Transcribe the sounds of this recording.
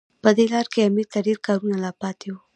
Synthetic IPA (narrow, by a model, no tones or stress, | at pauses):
pəd̪elɑɾkeamiɾt̪aɖeɾkɑɾunalapɑt̪ewu